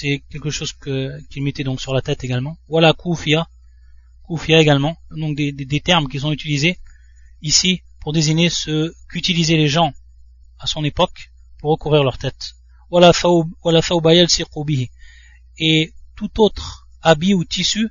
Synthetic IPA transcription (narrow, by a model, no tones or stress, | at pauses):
sɛkʲɛlkəʃozkəkilmet̪ɛd̪ɔ̃ksyʁlat̪ɛt̪eɡalmɑ̃walakʰufija | kufijaeɡalmɑ̃d̪ɔ̃k̚d̪ed̪ed̪et̪ɛʁmk̬ʲis̬ɔ̃yt̪ilize | isi | puʁd̪eziɲesəkyt̪ilizeleʒɑ̃ | asɔ̃nepɔk | puʁːəkuvʁiʁlœʁt̪ɛt̪ | walaθɔwbwalaθɔwbajalsiqubiɦi | et̪ut̪ot̪χ | abiut̪isy